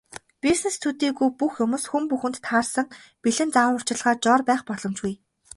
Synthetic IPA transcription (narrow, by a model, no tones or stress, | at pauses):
pisnest̪ʰut̪iːɣujpuxjɵmuːsxumpuxɘ̆nt̪ʰːaːrsə̆ŋpiɮɘ̆nt͡sawʊr̥t͡ɕɪ̆ɮʁaːt͡ɕɔːrpæːχpɔɮɞ̆mt͡ɕɡuj